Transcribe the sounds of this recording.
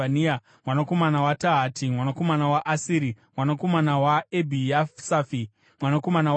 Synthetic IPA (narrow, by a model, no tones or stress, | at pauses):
ania | mwanako̞manawataɦatimwanako̞manawaʔasiːɾimwanako̞manawaebʱijasafi | mwanako̞mana